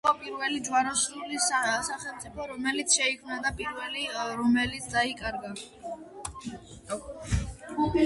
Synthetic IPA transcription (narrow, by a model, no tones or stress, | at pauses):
ɔpʼiɾvɛlid͡ʒwaɾɔslulisasaχɛlˠt̪sʼipʰɔɾɔmɛlit̪sʰʃɛikʰmnad̪apʼiɾvɛliɾɔmɛlit̪sʰd̪aikʼaɾɡa | ɡupi